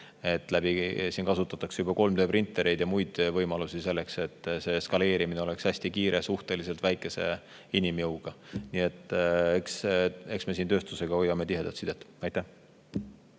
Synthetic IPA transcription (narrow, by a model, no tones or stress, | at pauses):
e̞t̪ːˑlæbisiːnkɑsut̪ːˑɑt̪ːˑɑksejubɑko̞lmd̪øːprint̪ːˑe̞ɾe̞jd̪̥jɑmujd̪̥vɤjmɑlusis̬e̞lːe̞kse̞t̪ːˑse̞skɑle̞ːɾimineo̞le̞kshæsʲt̪ikiːɾʔesuht̪elise̞lt̪væjkːˑe̞se̞̰ | inimjɤwɡ̥ɑnie̞t̪ːˑekse̞ksme̞siːnt̪ø̞ːst̪use̞ɡ̥ɑo̞jːɑme̞t̪iɦe̞d̪̥ɑlt̪sid̪̥et̪ɑjt̪æh